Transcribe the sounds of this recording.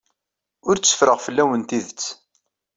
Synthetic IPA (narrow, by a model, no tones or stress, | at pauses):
ʊɾt͡sːə̥fɾəʁfəlːæwənt̪iðət͡sː